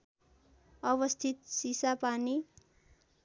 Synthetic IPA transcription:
ʌbʌst̪ʰit̪sisapani

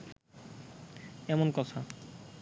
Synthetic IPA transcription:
ɛmonkɔt̪ʰa

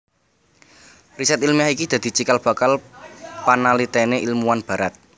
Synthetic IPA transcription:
risɛt̪ilmjahikid̪̥a̤d̪̥i̤t͡ʃikalb̥a̤kalpanalit̪eneʔilmuwanb̥ä̤ɾat̪̚

